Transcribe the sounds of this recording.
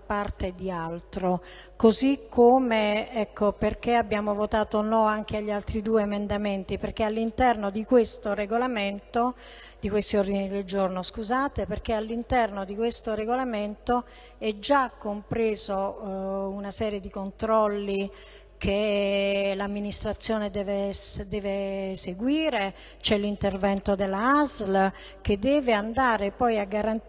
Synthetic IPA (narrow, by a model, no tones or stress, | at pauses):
part̪ed̪ialt̪ɾo | kozikʰːomeɛkʰːoperk̟eabːjaːmovot̪aːt̪onɔaŋk̟eaʎːialt̪ɾid̪uːeːmend̪ament̪iperk̟ealːint̪ɛrnod̪ikwest̪oɾeɡolament̪o | d̪̥ikwest̪iord̪inid̪eld͡ʒornoskuzaːt̪eperk̟ealːint̪ɛrnod̪ikwest̪oɾeɡolament̪o | ɛd͡ʒːakːompɾeːzo | unasɛːɾjed̪ikont̪ɾɔlːi | kʰe | lamːinist̪ɾat̪sːjoːned̪ɛːvesd̪ɛːveseɡwiːɾe | t͡ʃɛlːint̪ervɛnt̪od̪elːaazl | ked̪ːɛːveand̪aːɾepɔjaɡːaɾan